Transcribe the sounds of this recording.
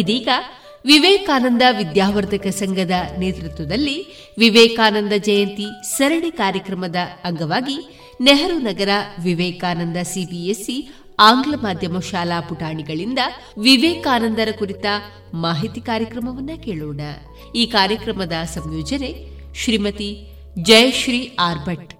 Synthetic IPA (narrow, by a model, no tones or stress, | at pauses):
id̪iːɡɐ | ʋiʋeːkaːnɐnd̪ɐʋid̪jaːʋɐɾd̪ʱɐkɐsɐŋɡʱɐd̪ɐneːt̪ɾut̪ʋɐd̪ɐlːi | ʋiʋeːkaːnɐnd̪ɐd͡ʒɐjɐnt̪isɐɾɐɽikaːɾjɐkɾɐmɐd̪ɐːŋɡɐʋaːɡi | neɦɐɾunɐɡɐɾɐʋiʋɛːkaːnɐnd̪ɐsibijesːi | aːŋɡlɐmaːd̪ʱjɐmɐʃaːlaːpuʈaːɳiɡɐɭind̪ɐ | ʋiʋeːkaːnɐnd̪ɐɾɐkuɾit̪ɐ | maːɦit̪ikaːɾjɐkɾɐmɐʋɐnːɐkeːɭoːɽɐ | iːkaːɾjɐkɾɐmɐd̪ɐsɐmjɔːd͡ʒɐne̞ | ʃɾimɐt̪i | d͡ʒɐjɐʃɾiːaːɾbʱɐʈ